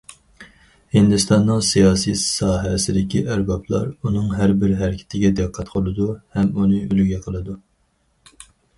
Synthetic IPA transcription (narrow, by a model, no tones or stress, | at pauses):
hɪnd̪ɨst̪ʰɑnːɨŋsijɑːsissɑːɦɛsɪd̪ɪkʲiʔæɾbɑpʰlˠɑ̰ɾunɨŋɦæɾbɪɾɦæɾɪkʲʰɪ̥t̪ʰɪɡʲɛd̪ɪqʰːɑt̪qʰolˠɨd̪uhɛmunɨylɡʲɛqʰəlˠɨd̪u